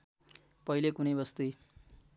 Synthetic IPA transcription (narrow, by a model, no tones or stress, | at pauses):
pʌilekunʌjbʌst̪uj